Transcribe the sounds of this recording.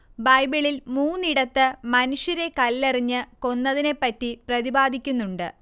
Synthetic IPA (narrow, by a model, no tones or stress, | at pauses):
bɐjbiɭilmuːnːiɽɐt̪ːɨmɐnuʂjɐɾe̞kɐlːeriɲːɨko̞nːɐðine̞pːɐtːiprɐðibaːd̪ʱikʲːunːuɳɖɨ